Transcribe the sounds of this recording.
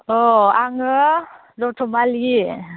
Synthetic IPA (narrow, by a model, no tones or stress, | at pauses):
ɔaŋɯ | dɔtʰɔmali